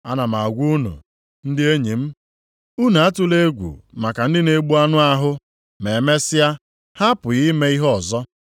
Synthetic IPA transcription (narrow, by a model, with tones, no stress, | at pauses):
a˦na˨ma˨ɡʷu˦nṵ˨ | n̩˦dɪ˦e˦ɲi˨m̩˦ | u˦na˨a˦tu˦le˦ɡʷṵ˨ma˨ka˨n̩˦dɪ˦ne˨ɡ͡bu˦a˦nʊ˦a˦ɦʊ˦ | me˨me˦sɪ˦ja˦ | ha˦pʊ˨ɣi˦me˦i˦ɦɔ˦ɔ˨zɔ˦